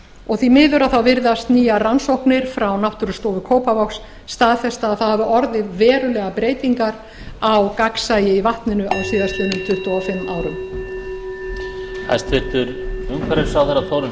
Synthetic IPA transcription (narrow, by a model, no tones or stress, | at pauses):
ɔɣθimɪːðʏɾaðθawvɪɾðast̪niːjaransowhknɪɾ̥fɾawnawht̪ʏɾʏst̪oːvʏkʰoːwpavɔwksː | t̪aːðθɛst̪aːðθawhavʏʔɔɾðɪvɛːɾʏlɛːɣapɾeːjt̪iŋkaɾ | awkaksaːjɪivaht̪nɪnʏʔawsiːðast̪vɪːnʏmt̪ʰʏht̪uawfɪmːaːwɾʏm | a̰st̪ɪɾ̥t̪ʏɾʏmkʰvɛɾɪɾsaːwðɛɾat̪ʰoːwɾɪ